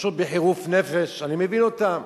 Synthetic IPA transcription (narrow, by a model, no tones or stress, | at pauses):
ʃot̪̚beħiʁufne̞feʃanimevinot̪a